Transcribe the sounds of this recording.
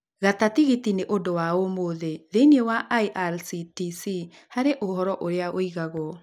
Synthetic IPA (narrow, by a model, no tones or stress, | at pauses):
ɣatatiɣitineʔodowaomoðeðeniewaʔaiʔaɾsitisi | haɾeʔohɔɾɔʔoɾeaoiɣaɣwɔ